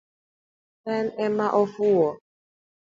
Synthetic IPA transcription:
ɛnɛmaʔɔfuwɔ

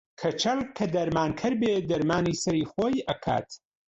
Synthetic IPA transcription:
kʰɐt͡ʃʰɐlkʰɐd̪ɐɾmaːnkʰɐɾbeːd̪ɐɾmaːniːsɐɾiːxoːjʔɐkʰa̰ːt̪

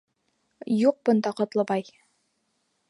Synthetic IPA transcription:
juq̚bɤ̆nd̪ɑqɒ̆t̪lˠɤ̆bɑj

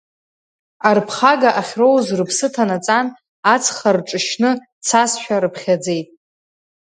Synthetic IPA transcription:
arpʰχaɡaʔaχʲro̞wzrɨpʰsɨtʰanat͡sʼan | at͡sʰχarʈ͡ʂʼɨʃnɨ | t͡sʰasʃᶣaɾɨpʰχʲad͡ze̞jtʼ

